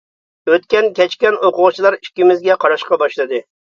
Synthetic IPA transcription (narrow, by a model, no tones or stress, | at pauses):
øt̪kʲɛnkʲɛt͡ʃkʲɛnoqʊʁʊt͡ʃʰilˠɑɾi̥kʲːimɪzɡʲɛqʰɑɾɑʃqɑbɑʃlˠɨd̪ɨ